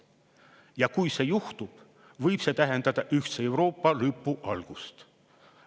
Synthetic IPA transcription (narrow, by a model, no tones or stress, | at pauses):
jɑkujse̞ːjuht̪ub̥ | vɤjb̥se̞ːt̪æɦe̞nd̪̥ɑd̪̥ɑʔyht̪see̞wɾo̞ːpːɑlɯpːˑuʔɑlɡ̥ust̪